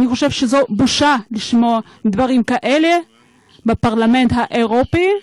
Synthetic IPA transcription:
aniχo̞ʃe̞vʃezobuʃaliʃmoa | d̪vaʁimkaʔele | bapaʁlame̞ntɦaʔeʁopi

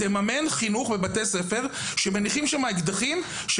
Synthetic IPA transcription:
emame̞nχinuχbebat̪ese̞fe̞ʁ | ʃeme̞niχimʃamaeɡd̪aχim | ʃ

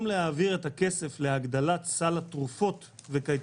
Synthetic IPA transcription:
mlehaːviʁe̞take̞se̞fleaɡd̪alat̪salat̪ʁufo̞t | vekaj

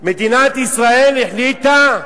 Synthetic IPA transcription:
med̪inat̪isʁaeliħlit̪a

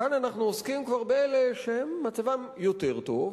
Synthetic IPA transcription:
ananaχnuoskimkvaʁbeeleʃehemːat͡savamjo̞t̪eʁt̪o̞v

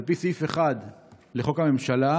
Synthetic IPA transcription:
lpisifeχad̪ | le̞χo̞kame̞mʃala

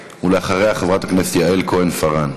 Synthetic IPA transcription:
uleaχaʁe̞jaχevʁat̪aknese̥tjaelko̞enfaʁan

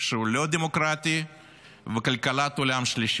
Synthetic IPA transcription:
ʃeulod̪emokɾat̪i | vekalkalat̪olamʃliʃ

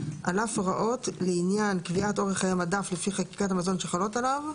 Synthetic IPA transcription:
ʔalafʁaʔo̞tleinjankviato̞ʁeχajamadaflefiχaki̥katamazo̞nʃeχalo̞talav

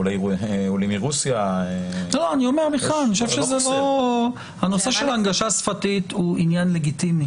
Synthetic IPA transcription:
lajulimiʁusjaeloanio̞me̞ʁmiχaniooʃevʃezelo | hano̞se̞ʃe̞laŋɡaʃasfatithuinjanle̞ɡit̪imi

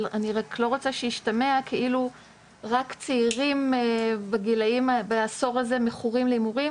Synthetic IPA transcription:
aniʁakʰlo̞ʁo̞t͡saʃejiʃtameakʰe̞ʔilu | ʁakt͡seiʁimbaɡilaimabaaso̞ʁaze̞meχuʁimleimuʁi

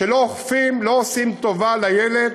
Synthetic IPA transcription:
elooχfimlo̞osimt̪ovalajeled̪

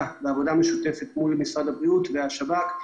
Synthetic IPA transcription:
veavo̞dame̞ʃute̞fet̪mulmisʁadhabʁiutveaʃabak

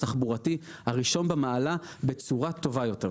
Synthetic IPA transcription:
taχbuʁati | haʁiʃo̞nbemaala | be̞t͡suʁato̞vajo̞te̞

